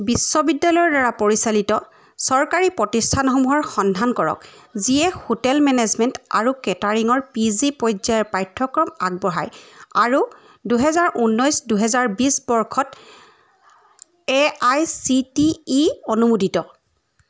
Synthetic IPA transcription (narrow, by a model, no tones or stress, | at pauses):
bisːɔbidːalɔjɔɹdaɹapoɹisalitɔ | sɔɹkaɹipɹɔtistʰanxɔmuɦɔɹxɔndʱankɔɹɔ̰kziɛhotɛlmɛnɛzmɛnta̰ɹukɛtaɹiŋɔɹpizipɔjzaɛɹpajtʰːɔkɹɔma̰ɡ̚bɔɦa̰jaɹu | duɦɛzaɹʔunːɔjsduɦɛzaɹbisbɔɹkʰɔt | ɛajsitiːonumudʱitɔ